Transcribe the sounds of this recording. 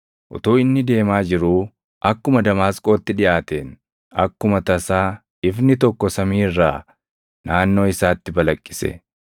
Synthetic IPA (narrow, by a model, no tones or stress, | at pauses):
ʔʊ̰t̪uːɪnːɪd̪e̞ːmaːd͡ʒɪɾuː | ʔɐkːʊmɐd̪ɐmaːskʼo̞ːt̪ːɪᶑɪʔaːt̪eːn | ɐ̰kːʊmɐt̪ɐsaː | ɪfnɪt̪ɔkːɔsɐmiːɪrːaː | naːnːo̞ːɪsaːt̪ːɪbɐlɐkʼːɪ̥sɛ̰